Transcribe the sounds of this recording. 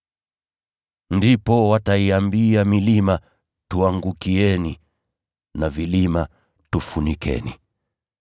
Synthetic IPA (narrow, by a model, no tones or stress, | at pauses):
ndipɔwataiambiamilima | tuaŋɡukiɛni | navilima | tufunikɛ̰ni